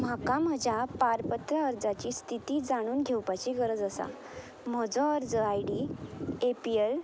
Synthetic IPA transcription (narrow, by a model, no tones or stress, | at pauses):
m̤akaməd͡ʑʱjapaɾpət̪ɾəəɾd͡zat͡ɕiːst̪ʰit̪iːd͡zaɽ̃uːnɡʱewpat͡ɕiːkəɾəd͡zəsa̰ | m̤əd͡zɔ̃əɾd͡zəajɖiepiel